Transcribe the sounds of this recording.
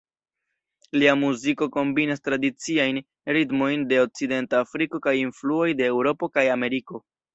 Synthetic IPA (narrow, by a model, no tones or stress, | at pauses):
liamuziko̞ko̞mbinastɾadit͡siajn | ɾitmo̞jnde̞o̞k̚t͡side̞ntaːfɾiko̞kajinfluo̞jdeːwɾo̞po̞kajame̞ɾiko̞